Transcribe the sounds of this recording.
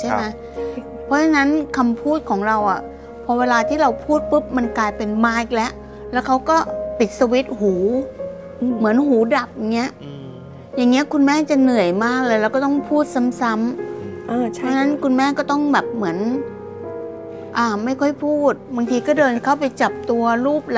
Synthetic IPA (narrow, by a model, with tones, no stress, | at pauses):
t͡ɕʰa˥˩ma˦˥j | pʰɔ˦˥t͡ɕʰa˧na˦˥nkʰa˧mpʰuː˥˩t̪̚kʰɔː˩˦ŋɾa˧wʔa˨˩ | pʰɔ˧˥weː˧laː˧t̪ʰiː˥˩ɾa˧wpʰuː˥˩t̪̚pɯ˦˥p̚ma˧nklaː˧jpe˧nmaː˧˥˩k̚lɛ˦˥ʔ | lɛ˦˥wkʰa˦˥wkɔː˥˩pi˨˩t̪̚sa˧wi˦˥t̪̚huː˩˦ | mɯ˩˦ənɦuː˩˦da˨˩p̚ja˨˩ŋːi˦˥ɐʔ | ja˨˩ŋːi˦˥ɐkʰu˧nmɛː˥˩t͡ɕa˨˩nɯ˨˩əjmaː˥˩k̚lːjɾlɛ˧˥˩kɔː˥˩t̪ɔ˥˩ŋpʰuː˥˩t̪̚sa˦˥msa˦˥mː˧˦˥ | t͡ɕʰa˧na˦˥nkʰu˧nmɛː˥˩kɔː˥˩t̪ɔ˥˩ŋbɛː˨˩p̚mɯ˩˦ən | ʔaː˧˩ma˥˩jkʰɔ˥˩jpʰuː˥˩t̪̚ba˧ŋt̪ʰiː˧kɔː˥˩dɤː˧nkʰa˥˩wpa˧jt͡ɕa˨˩p̚t̪u˧ɐɾuː˥˩p̚l